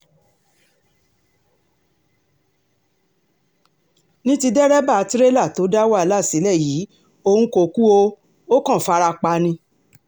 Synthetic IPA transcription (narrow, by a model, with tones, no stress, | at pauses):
nĩ˦ti˧dɛ˦ɾɛ˦ba˦˨˧tɾe˦la˦˨to˨˦da˦wa˦˨la˦˨si˨˦lɛ˦˨jiː˨˦ | o˧hũ˧ko˧˨ku˦o˧ | o˦kɔ̃˦˨fa˦˧ɾa˧k͡pa˧˦nĩ˧